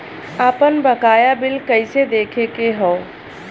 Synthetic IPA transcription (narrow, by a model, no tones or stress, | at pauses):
aːpənbəkaːjabɪlkəɪsed̪eːkʰekeɦoː